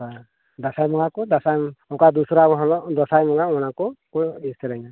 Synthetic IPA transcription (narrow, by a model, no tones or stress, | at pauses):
a | d̪asajmɔŋɡakud̪asajmɔkad̪usɾaɦɔlɔd̪ɔsajmɔŋɡaɔñakukuist̪ʰɛɾajna